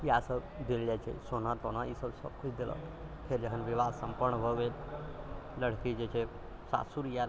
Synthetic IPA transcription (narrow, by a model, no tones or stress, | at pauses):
iasəbd̪ilːjat͡ʃḛsonaɾt̪onaisəbsə̰b̚kʰut͡ʃʰd̪ilə̰p̪ʰeɾd͡ʒəkʰənʋiʋad̪səmpəɾɳəbʱəʋel | ləɽ̤kid͡ʒet͡ʃe | sa̰suɾjal